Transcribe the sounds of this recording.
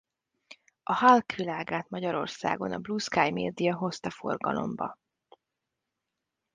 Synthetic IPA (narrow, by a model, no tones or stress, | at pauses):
ɒhalkʋilaːɡaːt̪mɒɟɒɾo̞̰rsa̰ːɡo̞nɒbluskaːjmeːd̪ijɒɦo̞st̪ɒfo̞rɡɒlo̞̰mbɒ̰